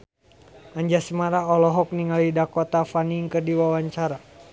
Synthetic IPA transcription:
aɲd͡ʒasəmaɾaɔlɔɦɔk̚niŋalidakot̪afaniŋkərdiwawaɲt͡ʃaɾa

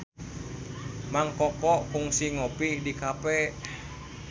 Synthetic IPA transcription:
maŋkɔkɔʔkuŋsiŋɔpidikapɛ

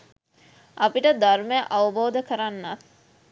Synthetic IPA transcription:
ɐpiʈəd̪arməjəʔaʋəboːd̪əkəɾanːat̪

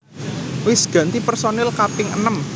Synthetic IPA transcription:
wɪsɡ̥ä̤nt̪ipərsonɪlkapɪŋə̰nəm

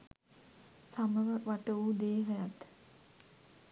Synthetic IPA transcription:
saməʋəʋaʈəud̪eːɦəjat̪

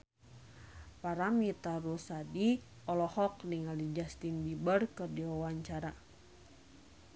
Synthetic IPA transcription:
paɾamit̪aɾusadi | ɔlɔhɔk̚niŋalid͡ʒast̪inbibərkɨrdiwawaɲt͡ʃaɾa

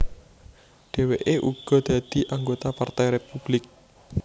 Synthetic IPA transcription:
ɖ̥e̤weʔeʔuɡ̥ɔ̤d̪̥ä̤d̪̥i̤ʔaŋɡot̪apart̪ɛjɾepub̥lɪk̚

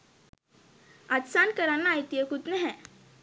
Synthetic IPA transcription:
at̪sankəɾanːaːjt̪ijəkut̪nəɦɛ̃

